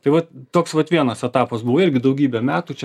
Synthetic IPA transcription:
t̪ɐɪʋɐtt̪oːksʋɐt̪ʋʲiɛnɐsɛt̪ɑːpɐsbuʋoɪɾʲɡʲɪd̪ɐʊɡʲiːbʲɛmʲæːt̪uːt͡ʃʲɛ

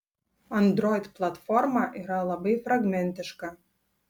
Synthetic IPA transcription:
ɐnd̪ɾoɪd̪plˠat̪formɑʔiɾɑlˠɑbəjfraɡmʲɛnʲt̪ɪʃkɑ

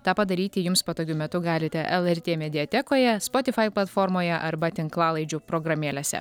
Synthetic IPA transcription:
t̪ɑːpɐd̪ɐɾʲiːt̪ʲɪjʊmspot̪oːɡʲʊmʲɛt̪ʊɡɑːlʲɪt̪ʲɛʔɛlˠɛɾʲt̪ʲeːmʲɛd̪ʲɪɛt̪ʲɛkoːjɛspoːt̪ʲɪfɐɪplˠɐt̪foːɾmoːjɛʔɐɾbɐt̪ʲɪŋklˠɑːlˠɐɪd͡ʒʲʊpɾoːɡɾɐmʲeːlʲesʲɛ̰

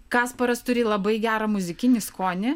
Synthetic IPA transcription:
kɑːspɐɾɐst̪ʊɾʲɪlˠɐbɐɪɡʲæːɾɐmʊzʲɪkʲɪnʲɪskoːnʲɪ

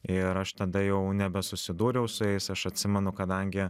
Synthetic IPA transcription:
ɪɾɐʃt̪ɐd̪ɐjɛʊnʲɛbʲɛsʊsʲɪd̪uːɾʲɛʊsʊjɛɪsɐʃɐt̪ʲsʲɪmʲɛnʊkɐd̪ɐŋʲɡʲɪ

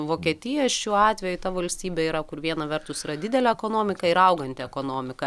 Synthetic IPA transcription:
ʋoːkʲiɛt̪ʲɪjɛʃʲuːɑːt̪ʲʋʲɛjʊt̪ɐʋɐlʲsʲt̪ʲiːbʲɛiːɾɐkʊɾʋʲiɛnɐʋʲɛrt̪ʊsiːɾɐd̪ʲɪd̪ʲɛlʲɛɛkoːnoːmʲɪkɐɪɾɐʊɡɐnʲt̪ʲɪɛkoːnoːmʲɪkɐ

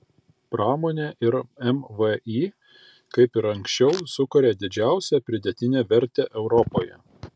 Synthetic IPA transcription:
pɾɑːmoːnʲeːʔɪɾɛmʋəiː | kɐɪpɪɾɐŋksʲt͡ʃʲɛʊsʊkʊɾʲeːd̪ʲɪd͡ʒʲæˑʊsʲɛpʲɾʲɪd̪ʲɛt̪ʲɪnʲeːʋʲɛɾʲt̪ʲeːʔɛʊɾɔpoːjɛ̰

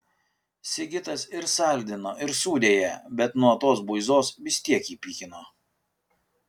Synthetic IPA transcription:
sʲɪɡʲɪt̪ɐsɪɾsɑˑlʲd̪ʲɪnoːʔɪɾsuːd̪ʲeːjɛbʲɛt̪nuɔt̪oːsbʊɪzoːsʋʲɪsʲt̪ʲiɛkiːpʲiːkʲɪnoː

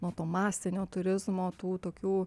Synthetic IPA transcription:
nuɔt̪oːmɑːsʲt̪ʲɪnʲoːt̪ʊɾʲɪzmoːt̪uːt̪oːkʲuː

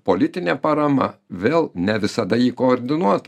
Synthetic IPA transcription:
poːlʲɪt̪ʲɪnʲepɐɾɐmɐ̰ʋʲeːlˠnʲɛʋʲɪsɐd̪ɐiːkoːɾʲd̪ʲɪnuɔt̪

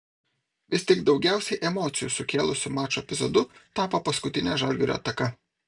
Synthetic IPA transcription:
ʋʲɪsʲt̪ʲɪɡd̪ɒʊɡʲæˑʊsʲɛɪʔɛmɔːt̪sʲɪjusʊkʲeːlˠʊsʲʊmɑːt͡ʃoːɛpʲɪzɔd̪ʊt̪ɑːpɐpɐskʊt̪ʲɪnʲɛʒɐlʲɡʲɛɾʲo̰ɐ̰t̪ɐkɐ

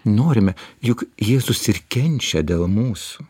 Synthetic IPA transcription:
noːɾʲɪmʲɛjʊkjeːzʊsɪɾkʲɛnʲt͡ʃʲɛd̪ʲeːlˠmuːsʊ

